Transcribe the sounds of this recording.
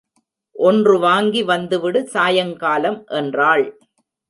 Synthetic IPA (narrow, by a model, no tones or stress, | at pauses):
ʔɔndrɯʋaːŋɡiʋɐnd̪ɯʋɪɽɯsaːjɐŋkaːlɐmʔɛndraːɭ